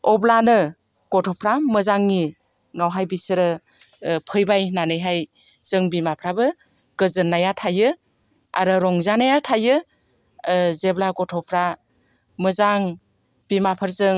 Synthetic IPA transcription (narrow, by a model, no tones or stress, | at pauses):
ɔblanɯ | ɡ̥ɔtʰɔpʰɾamɯzaŋni | ŋawɦajbisɾɯ | pʰɯjbajnanɯjɦaj | z̥ɯŋbimapʰɾabɯ | ɡ̥ɯzɯnːajatʰajɯ | a̰ɾɯɾɔŋzanajatʰajɯ | zeblaɡɔtʰɔpʰɾa | mɯzaŋ | b̥imapʰɯɾzɯŋ